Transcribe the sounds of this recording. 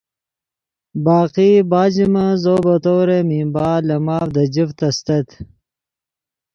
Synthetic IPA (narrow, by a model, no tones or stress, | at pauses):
baːqiːbaːd͡ʑimɐzoːbɐt̪oːɾemĩːbaːlɐmaːvd̪ɐd͡ʑift̪ɐst̪ɐt̪